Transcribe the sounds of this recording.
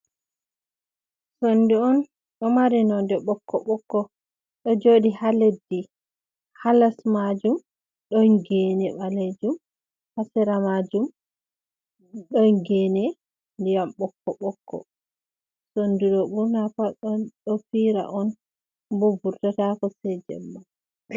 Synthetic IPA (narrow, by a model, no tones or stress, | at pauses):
sondiɔn | ɗɔmaɾinɔndɛɓɔkʰːɔ̰ɓɔkːɔ | ɗɔd͡ʒoɗihaledːi | halasmad͡ʒum | ɗɔjɡɛnɛɓaled͡ʒum | hasɛɾamad͡ʒum | ɗɔɡɛnɛ | ndijamɓɔkːɔɓɔkːɔ̰ | sondiɗɔɓuɾnapaɔnɗɔfiɾa̰ʔɔn | bobuɾtatakɔsɛd͡ʒɛ̰mːa